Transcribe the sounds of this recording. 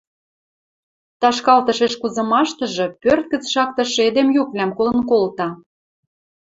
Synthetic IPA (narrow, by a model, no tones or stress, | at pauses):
t̪ɑʃkɑlt̪ɤ̆ʃeʃkuzɤ̆mɑʃt̪ɤ̆ʒɤ̆pørt̪̚kə̆t͡sʃɑk̚t̪ɤ̆ʃed̪emjukvlʲæmkolə̆nkolt̪ɑ